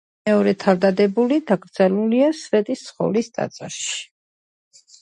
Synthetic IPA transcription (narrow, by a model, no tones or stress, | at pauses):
ɛɔɾɛt̪ʰaɾd̪ad̪ɛbulid̪aɡɾd̪zɛluliasvɛt̪ʼist̪sʰχɔ̰list̪ʼa̰t̪sʼɛɾʃi̥